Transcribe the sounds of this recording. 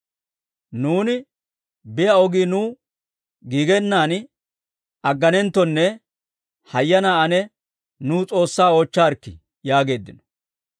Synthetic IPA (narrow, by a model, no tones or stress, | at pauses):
nuːnɪ | bɪjɐɔɡiːnuː | ɡiːɡɛnːaːn | ɐɡːɐnɛnt̪ːɔnːɛ | hɐjːɐnaːɐnɛ | nuːt͡sʼo̞ːsːaːot͡ʃːaːɾkːɪ̰ | jaːɡe̞ːd̪ːɪnɔ̥